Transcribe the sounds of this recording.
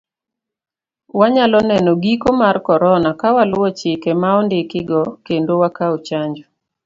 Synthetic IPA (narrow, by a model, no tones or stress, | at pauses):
waɲalɔnɛnɔɡikomarkɔɾɔnakawalʊwɔt͡ʃɪkɛmaɔndɪkɪɡɔkendowakaot͡ʃaɲd͡ʒɔ